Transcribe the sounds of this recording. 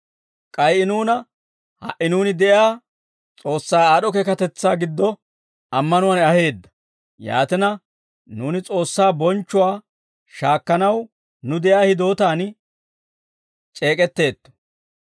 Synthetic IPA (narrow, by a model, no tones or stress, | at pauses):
kʼɐjʔɪnuːnɐ | hɐ̰ʔɪnuːnɪd̪ɛʔjaː | t͡sʼo̞ːsːaːaːɗɔkɛkɐt̪ɛt͡sːaːɡɪd̪ːɔ | ɐmːɐnʊwanɐhe̞ːd̪ːɐ̥ | ja̰ːt̪ɪnɐ | nuːnɪt͡sʼo̞ːsːaːbɔnt͡ʃːʊwaː | ʃaːkːɐnɐw | nʊd̪ɛʔjaːhɪd̪o̞ːt̪aːn | t͡ʃʼe̞ːkʼɛt̪ːe̞ːt̪ːɔ̥